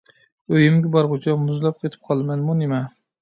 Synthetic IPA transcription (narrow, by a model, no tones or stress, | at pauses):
øjɪmɡʲɪbɑɾʁot͡ʃʰamʊzlˠɑp̚qʰet̪ʰɪ̥p̚qʰɑlˠmɛnmunemɛ